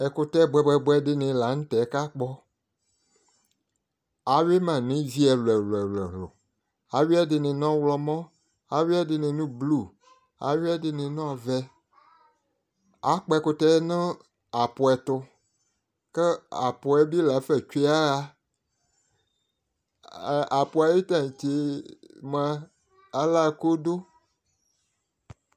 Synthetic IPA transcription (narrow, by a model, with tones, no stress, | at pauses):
ɛ˨kʊ˦tɛ˦˨bɛ˦bɛ˨bɛ˦ɖɪ˦nɪ̃˨la˨˦ŋ̩̃˦t̪ɛ˨˦ka˦k͡pɔ˦ | a˨we˦mã˨nĩ˦zi˦ɛ˨lɛ˨lɛ˨lɛ˨ɦlʊ̰˨ | a˨wi˦ɛ˦dɪ˨nɪ̃˨nɔ̃˦wlɔ˦mɔ̃˦ | a˨wi˦ɛ˦dɪ˨nɪ̃˨nũ˦blu˦˨ | a̰˨wɛ˦dɪ˨nɪ̃˨nɔ̃˦˨vɛ˦ | a˨k͡pɛ˨kʊ˨t̪ɛ˦nɛ̃˦ | a˨pʊ˨ɛ˨t̪ʊ˨ | kɛ˦a˨pʊ˨ɛ˨bi˦la˨˦fɛ˨t͡ʃa˦ɣa˦˨ | a˨po˨a˨ji˦t̪ã˦˨ĩ˨t͡ʃe˨˦mɛ˦ | a˦la˦˨˦ko˦do˦